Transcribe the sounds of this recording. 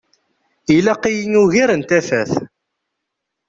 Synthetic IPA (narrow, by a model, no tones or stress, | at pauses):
ilæqijənuʝiɾənt̪æθæθ